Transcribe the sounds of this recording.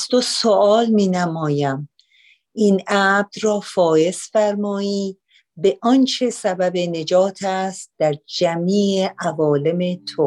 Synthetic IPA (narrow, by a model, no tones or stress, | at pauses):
st̪osoʔɒːlmiːnæmɒːjæm | ʔiːnʔæb̚d̪rɒːfɒːje̞sfæɾmɒːiː | be̞ʔɒnt͡ʃʰe̞sæbæbe̞ne̞d͡ʒɒːt̪ʰæst̪̚d̪̥æɾd͡ʒæmiːeʔævɒːle̞met̪ʰo